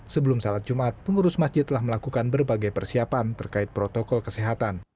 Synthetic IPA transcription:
səbəlumsalat̪̚d͡ʒumat̪̚pəŋuɾʊsmasd͡ʒɪt̪ːəlahməlakukanbərbaɡajpərsiapant̪ərkaɪt̪̚pɾot̪okɔlkəseɦat̪an

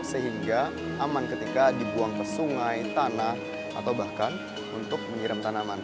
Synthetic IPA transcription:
səɦiŋɡa | amankət̪ikadibuaŋkəsuŋajt̪anah | a̰t̪awbahkan | unt̪ʊk̚məŋiɾɪmk̪anaman

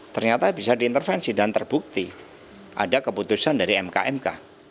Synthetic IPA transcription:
t̪ərɲat̪abisadiːnt̪ərfɛnsidant̪ərb̥uk̚t̪i | ʔa̰dakəput̪usandaɾiɛmka̰ɛmka

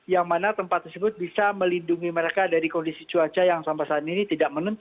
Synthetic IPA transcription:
jaŋmanat̪əmpat̪ːərsəbʊt̪̚bisaməlinduŋiməɾekadaɾikɔndisit͡ʃuat͡ʃajaŋsambasaninit̪idaʔk̚mənənt̪

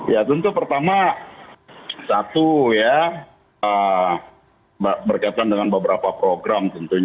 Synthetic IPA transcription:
jat̪ənt̪upərt̪ama | sat̪uja | ə | bbərkaat̪aandəŋanbəbəɾapapɾoɡɾamt̪ənt̪uɲ

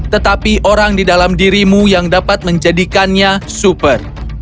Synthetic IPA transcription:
t̪ət̪apiʔoɾaŋdidalamdiɾimujaŋdapat̪̚məɲd͡ʒadikanɲasupər

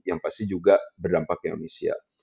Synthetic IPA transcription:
jaŋpast̪id͡ʒuɡabərdampakeo̰nesia̰

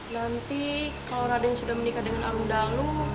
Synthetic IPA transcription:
nant̪ikalawɾadajaŋsudahmənikadəŋanamundalu

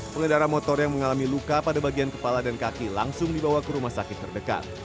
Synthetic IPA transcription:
pəŋədaɾamɔt̪ɔrjaŋməŋalamilukapadabaɡiankəpaladankakila̰ŋsʊŋdibawakəɾumahsakɪt̪ːərdəka̰t̪̚

